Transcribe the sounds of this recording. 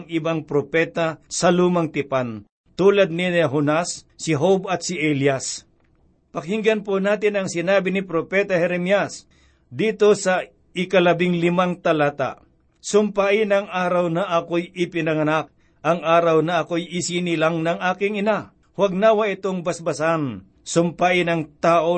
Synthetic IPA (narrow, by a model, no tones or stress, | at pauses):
ŋɪbaŋpɾopɛːt̪asɐluːmɐŋt̪ɪpan | t̪uːlɐd̪̚nɪnɦonasː | ɪɦobɐt̪̚sɪʔɛljas | pɐkhɪŋɡɐnponaːt̪ɪnɐŋsɪnaːbɪnɪpɾopɛːt̪ɐhɛɾɛmjas | d̪iːt̪o̞sɐ | ɪkɐlɐbɪŋlɪmaŋt̪ɐlaːt̪a̰ | sʊmpaʔɪnɐŋʔaːɾɐwnaʔɐkojʔɪpɪnɐŋɐnak̚ | ʔɐŋaːɾɐwnɐʔɐkojɪsinɪlaŋnɐŋʔaːkɪŋɪna | hwaɡ̚nawaʔɪt̪oŋbɐsbɐsan | sʊmpaʔɪnɐŋt̪aːʔo